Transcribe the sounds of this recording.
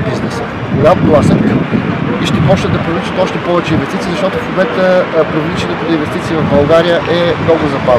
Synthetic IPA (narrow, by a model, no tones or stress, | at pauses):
biznɛs | koɡaolˠasɛtkəiʃt̪ɛpɔt͡ʃt̪əd̪ɐpɾovlʲit͡ʃət̪ɔʃt̪ɛpɔvɛt͡ʃɛinvɛst̪it̪izɐʃt̪ɔt̪ʊsob̪vɛt̪əpɾovlit͡ʃɛnɛpot̪invɛst̪it̪siːvɐvbɐlˠɡaɾijəʔɛmnɔɡʊzɐbaz